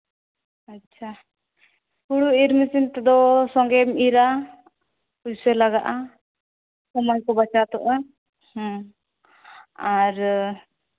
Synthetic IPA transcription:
atːt͡ʃʰa | kuɽuiɾmisint̪ɛd̪ɔsɔŋɡɛmiɾa | pud͡ʒsɛlaɡaʔa | sɔmɔjkɔbat͡ʃat̪ɔʔa | hɔ̃ | aɾ

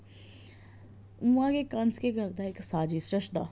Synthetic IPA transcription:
ũãkekɐnskeɡəɾd̪aeksaːd͡ʒisɾəʃd̪a̰ː

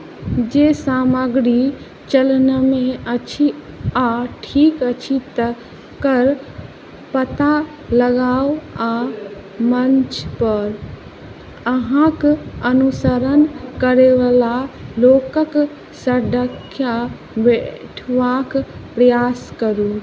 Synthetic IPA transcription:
d͡ʒesaməɡɾi | t͡ʃəlnəmẽət͡ʃʰi | aʈʰiːkət͡ʃʰit̪ə | kəɾ | pət̪a | ləɡaːwa | mənt͡ʃpəɾ | əɦãkənusəɾənkəɾeʋalalokək | səɖʱəkʰːja | beʈʰʋakpɾəjaskəɾu

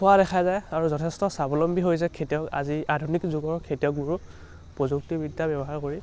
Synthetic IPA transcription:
sʊwaɾɛxʰazajaɹuzɔtʰɛstɔsabɔlɔmbiɦojs̬ɛkʰetijɔka̰ziadʱunikzuɡɔɹkʰetijɔk̚buɹu | pɹozuk̚tibidːabɔbɔɦaɹkoɹi

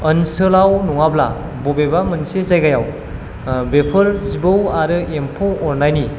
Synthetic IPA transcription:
ənsɯlawnuŋabla̰ | bobebamɯnsezajɡajaw | bepʰɯɾzibɯwaɾɯempʰowɔɾnajni

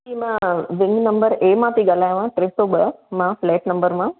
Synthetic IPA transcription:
kimɛ̃ʋɪŋɡnɐ̃mbəɾeːmãːt̪iɡalaːj̃ʋãːʈɾeːsoːbəmãːfleːʈnɐmbəɾmãː

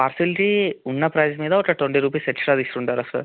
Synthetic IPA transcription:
paːɾsiliʈiunːɐpɾɐjd͡ʒmiːd̪ɐɔʈːɐʈ̪oɳʈiɾuːp̬ɐjseʈt͡ʃɾaːd̪isʈ̪uːɳʈaːɾɐslṵ

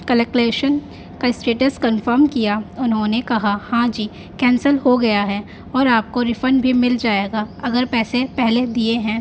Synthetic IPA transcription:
kɐləkleːʃən | kaɪsʈɾeːʈəskɐnfəɾmkijaʊnɦõnekɐɦahãːd͡ʒiː | kɛ̃ːnsəlɦoɡɐjaɦɛː | ɔːɾaːp̚koɾɪfənɖbʱimɪld͡ʒaːeːɡaːɐɡəɾpɛːsepɛɦled̪ieɦɛ̃ː

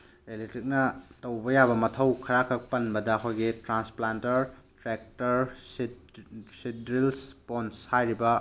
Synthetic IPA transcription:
eletɾik̚nɐtɐwbɐjabɐmɐtʰɐwkʰɐɾakʰɐk̚pɐnbɐdɐːkʰojɡitɾansplantɐɾtɾek̚tɐɾs | sidɾilsponshajɾibɐ

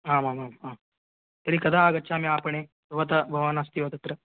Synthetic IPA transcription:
ɦãːmamama | t̪əɾiːkɐd̪ʱaːɡɐtːɕʰamĩapəɳe | ʋət̪ɐbʱɐʋanɐst̪iot̪ɐt̪ɾə

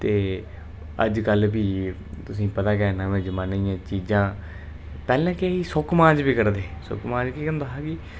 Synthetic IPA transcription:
t̪eː | əd͡ʒkəlbiː | t̪ʊsĩːpət̪aːkɛːnãːmɛ̃ːd͡ʒəmaːnaːijãːt͡ʃiːd͡ʒãː | pɛːlãːkeiːsʊkmãːd͡ʒbiːkəɾd̪eːsʊ̰kmãːd͡ʒkiːkənd̪aːɦaːkɪː

